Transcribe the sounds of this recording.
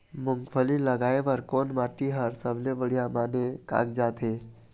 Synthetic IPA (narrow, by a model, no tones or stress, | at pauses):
mʊŋɡpʰəliləɡaːeʋəɾkoːnmaʈiɦəɾsəblebəɽ̤ijamaneka̰kd͡ʒaːt̪ɦe